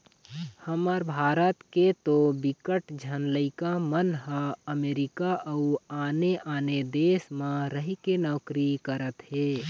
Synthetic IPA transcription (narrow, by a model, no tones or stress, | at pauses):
həməɾbʱaːɾət̪ket̪obɪkəʈd͡ʒʱənləɪkamənɦəəmeːɾɪkaʔɐuaːneʔaːned̪eːsmãɾəɦikenɔːkɾikəɾət̪ɦeː